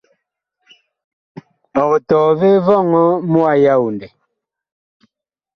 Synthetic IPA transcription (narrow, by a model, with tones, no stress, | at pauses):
ɔ˨ɣɔ˨tɔː˨ve˦vɔ˦˨ŋɔ˦mu˦a˦ja˦u˨ndɛ˨